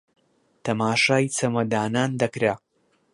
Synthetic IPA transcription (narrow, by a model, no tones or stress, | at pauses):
t̪ʰɐmaːʃaːjt͡sʰɐmɐd̪aːnaːnd̪ɐkɾa